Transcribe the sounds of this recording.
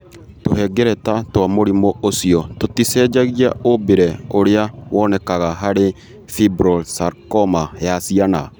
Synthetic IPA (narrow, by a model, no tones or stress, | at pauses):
toɦɛɡɛɾɛtatwamoɾimoosiɔtotisɛːd͡ʒaɣiaobeɾɛoɾeawɔːnɛkaɣaɦaɾe | fibɾɔlsaɾkɔmajasiana